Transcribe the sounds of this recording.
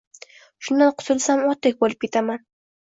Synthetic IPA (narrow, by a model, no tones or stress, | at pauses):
ʃʊnd̪anqʰʊ̥t̪ʊlsamɒt̪ek̚ʲbolˠɪp̚kʲet̪aman